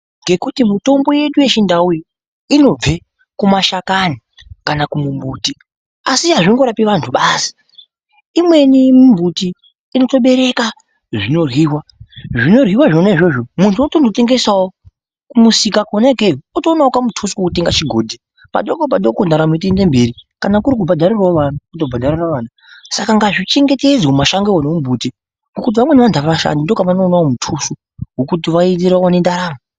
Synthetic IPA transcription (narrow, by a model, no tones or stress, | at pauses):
ŋɡe̞kutimuto̞mbo̞je̞ɗuje̞t͡ʃindauji | ino̞b͡ve̞ | kumaʃakani | kanakumumbuːti | asiɦaʐinɡo̞ɾapiʋantʰuɓasi̥ | imwe̞nimumbutiː | no̞to̞ɓe̞ɾe̞ka | ʐino̞rwiːwaʐino̞rwiwaʐonaiʐo̞ʐomuntʰuotondote̞ŋɡe̞sawo | kumusikakonekeotonaokamutʰusu̥kokuteŋɡat͡ʃiɡʱo̞ːdʱe | pa̰ɗokop̬aɗokondaɾamit̬inde̞mbeɾikanakuɾik̬ubʱadʱariraʋanakutobʱadʱariraʋaːna | sakaŋɡaʐit͡ʃe̞ŋɡe̞te̞d͡zomaʃaŋɡeonemumbʱuti | ŋɡokut̬iʋamwe̞neʋantʰaaʋaʃa̰nindo̞kaʋanoːnawomutʰusu | ɡokut̬iʋaitiɾaonendaɾaːmu